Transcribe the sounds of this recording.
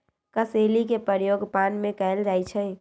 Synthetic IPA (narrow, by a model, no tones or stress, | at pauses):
kəseːlik̬epəɾjoːɡpaːnmẽkaɪlɾaːit͡ʃʰɛ